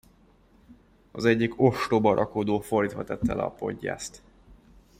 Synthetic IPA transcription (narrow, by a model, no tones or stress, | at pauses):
ɒzɛɟːiko̞ʃt̪oːbɒɾʔɒkod̪oːford̪iːt̪ʋɒt̪ɛt̪ːɛlɛ̰ɒpo̞̰ɟːa̰ːst̪